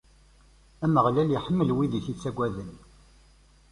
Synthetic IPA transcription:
æməʁlæljiħəmːəlwiðiθit͡sːæɡʷːæðən

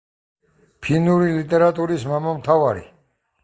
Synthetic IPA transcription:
pʰinuɾilit̪ʼɛɾat̪ʼuɾismamamt̪ʰavaɾḭ

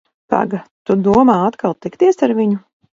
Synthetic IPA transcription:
t̪a̰ɡat̪ud̪uɔmaːat̪kalˠt̪ikt̪iɛsaɾviɲu

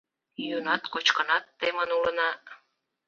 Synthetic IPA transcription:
junɑt̪kot͡ɕkənɑt̪ːemənulə̆nɑ

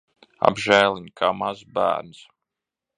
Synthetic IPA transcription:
a̰bʒæːlˠiɲkʰaːmazbæ̰ːɾns

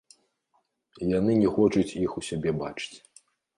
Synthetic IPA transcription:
janɨnʲɛxɔt͡ʂut͡sʲixusʲabʲɛba̰t͡ʂɨ̥t͡sʲ

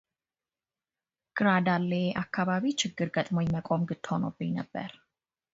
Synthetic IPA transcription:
ɡ̥ɾadaleakʰːaβaβit͡ʃʰɨɡɨrɡət̪ʼmɔjmɛkʼɔmɡɨtʰɔnɔ̰binəbɛ̰ɾ

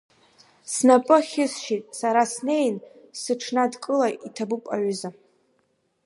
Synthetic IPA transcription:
snapʼɨχʲɪsʃitʼsaɾasne̞jnsɨʈ͡ʂʰnadkʼɨlaʔitʰabupʼa̰ʕʷza

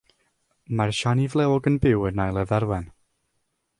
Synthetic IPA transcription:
marʃanivlˠɛɔɡənbɪwənajlˠɛðɛɾwɛn

